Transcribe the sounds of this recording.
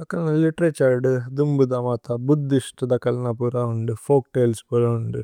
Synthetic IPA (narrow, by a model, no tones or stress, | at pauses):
ɐkːɐlɐnalɪʈɾet͡ʃaːɾɖɨd̪umbɯd̪aːmaːt̪aːbud̪ːiʂʈɐd̪ɐkːɐlnaːpuːɾaːuɳɖɯfoːk̚ʈeːlspolɐɳɖɯ